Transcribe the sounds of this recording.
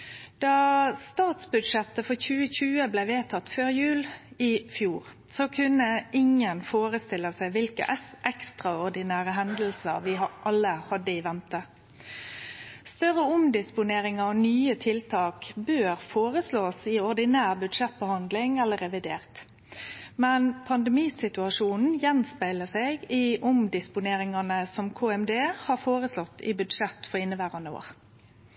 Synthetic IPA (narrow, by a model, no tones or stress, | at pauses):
d̪̥ɑːst̪ɑːt̪sbʉd̪ʂɛt̪ːəfɔçʉːəçʉːəblɛɪʋeːt̪ʰɑt̪ːføːʁjʉːlɪfjuːʁ | sɔkʰʉnːəɪŋənfoːʁəst̪ɪləsæɪʋɪlkə̰ʔʔɛkst̪ʁɑɔʁd̪ɪnæːʁəɦɛnd̪l̩səʁʋɪʔɑlːəhɑd̪əɪʋɛnt̪ə | st̪œʁəʊmd̪ɪspʊneːʁɪŋɑɔnyːət̪ʰɪlt̪ʰɑːkbøːʁfoːʁəsloːsɪɔʁd̪ɪnæːʁbʉd̪ʃɛt̪̚bəhɑnd̪lɪŋɛlːəʁɛʋɪd̪eːʁt̪ | mɛnpʰɑnd̪ɛmiːsɪt̪ʉɑʃuːnn̩jɛnspæɪləseːɡɪʔʊmd̪ɪspʊneːɾɪŋɑnəsɔmkʰoːɛmd̪eːhɑːfoːʁəslɔt̪ːɪ̰bʉd̪ʃɛt̪fɔɾɪnːəʋæːʁɑnəo̰ːʁ